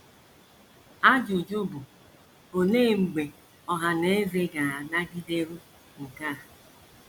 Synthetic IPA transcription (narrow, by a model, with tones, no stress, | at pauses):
a˦d͡ʒʊ˨d͡ʒo˦bʊ˨ | o˨neː˦˨ŋ͡m̩˨ɡ͡be˨ | ɔ˨ɦa˨ne˦e˦ve˦ɡa˨a˨na˦ɡɪ˦de˦ɾu˦ | ŋ̩˨ka˦˨